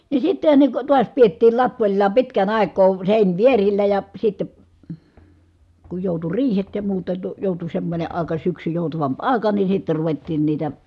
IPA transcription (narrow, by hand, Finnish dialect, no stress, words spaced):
ni sitːehæ ne ko tuɑs pietːiːl lɑpːolʲlɑː pitkæn ɑˑi̯kˑoː seˑinʋierilːæ jɑ sitːe ku joˑutu riːhet jɑ muːtɑ to joˑutu semːonʲe ɑˑi̯kɑ syksy joˑutɑʋɑmp ɑˑi̯kɑ ni sitːe ruʋetːiːn niːtæ